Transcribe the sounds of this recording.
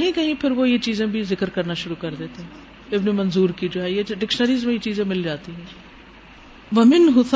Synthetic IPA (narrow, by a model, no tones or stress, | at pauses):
kɦĩkɐɦĩpʰɪɾʋoːjet͡ʃiːzẽbʱizɪkəɾkɐɾnaʃʊɾukɐɾd̪eːt̪eɦɛ̃ | ɪbnemɐnzuːɾkid͡ʒoːɦɛjeɖɪkʃnəɾiːzmẽjet͡ʃiːzẽmɪld͡ʒaːt̪iɦɛ̃ː | ʋɐmɪnɦʊt̪